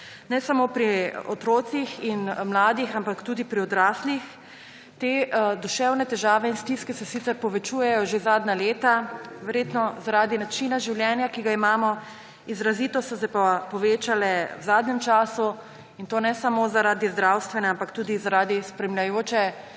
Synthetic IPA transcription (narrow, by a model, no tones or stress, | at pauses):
nɛsamoːpɾiɔt̪ɾoːt̪sixinmlaːd̪ixampakt̪uːd̪ipɾiɔd̪ɾaːslix | t̪ed̪uʃɛwnɛt̪ɛʒaːʋɛinst̪iskɛsɛsit̪ɛɾpɔʋɛt͡ʃuːjɛjɔʒezaːd̪naleːt̪aʋɛɾjet̪nɔzaɾaːd̪inat͡ʃinaʒiwljɛːnjakiɡaimaːmɔ | izɾaziːt̪ɔsɔsɛpapɔʋeːt͡ʃalɛwzaːd̪nɛmt͡ʃaːsu | int̪oːnɛsamozaɾaːd̪izd̪ɾawst̪ʋɛnɛampakt̪uːd̪izaɾaːd̪ispɾɛmlʲjajoːt͡ʃɛ